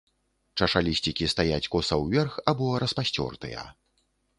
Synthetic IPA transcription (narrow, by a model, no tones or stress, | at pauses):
t͡ʂɐʂalʲisʲt͡sʲikʲist̪ajat͡sʲkɔsɐwvʲɛrxabɔɾɐspasʲt͡sʲɔ̰rt̪ɨ̰jɐ̰